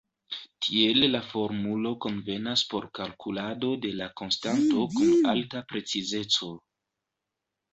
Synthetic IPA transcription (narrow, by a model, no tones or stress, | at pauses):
tʰie̞llafo̞ɾmulo̞ko̞nve̞naspo̞ɾkalkulado̞de̞lako̞nstanto̞kunaltapɾe̞t͡size̞t͡so̞